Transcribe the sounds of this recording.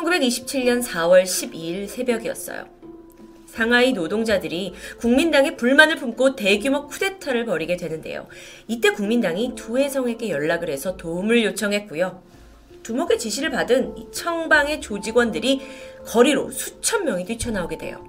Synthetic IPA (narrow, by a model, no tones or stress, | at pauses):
t͡ɕʰʌnɡube̞ɡiɕʰi̥p̚t͡ɕʰiɭɲʌnsʰawʌɭɕʰibiːɭsʰe̞bjʌɡijʌ̰s͈ʌ̰jo̰ | sʰaŋainodoŋd͡ʑadɯɾikuŋmindaŋe̞puɭmanɯɭpʰumk͈ote̞ɡjumokʰude̞tʰaɾɯɭpʌɾiɡe̞dwe̞nɯnde̞̰jo̰it͈e̞kuŋmindaŋituhe̞sʰʌŋe̞ɡe̞jʌɭːaɡɯɾɦe̞sʰʌtoumɯɭjot͡ɕʰʌŋɦe̞t̚k͈ujo | tumoɡe̞t͡ɕiɕʰiɾɯɭpadɯnit͡ɕʰʌŋbaŋe̞t͡ɕod͡ʑiɡwʌndɯɾikʌɾiɾo̰sʰu̥t͡ɕʰʌmmjʌŋitɥit͡ɕʰʌnaoɡedwe̞̰jo̰